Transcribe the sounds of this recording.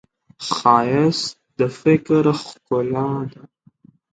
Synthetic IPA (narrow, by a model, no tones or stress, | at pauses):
xɑjɪs | d̪əfɪkɾxkʊlɑd̪a